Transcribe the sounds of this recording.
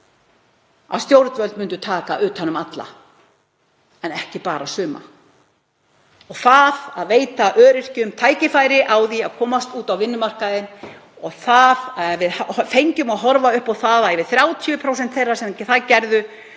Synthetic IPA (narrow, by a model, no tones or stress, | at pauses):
a̰ðst̪jowɾt̪vœlt̪mʏnt̪̬ʏt̪ʰaːkaʔʏːt̪hanːʏmat̪la̰ | ɛnɛhcɪpaːɾasʏːma̰ | ɔɣθaðaðveːjt̪aʔœːɾɪr̥cʏʏmt̪ʰaːjcɪfaːjɾɪʔawðiaðkʰɔːmast̪uːt̪awvɪnːʏmar̥kaðɪn | ɔɣθaðvɪðhafejɲcʏmaðɦɔɾvaʏhpawθaðaɛvɪðθɾjaːwt̪ʰjʏpʰɾows̬ɛnt̪θejrːasɛmθaðcɛɾðʏ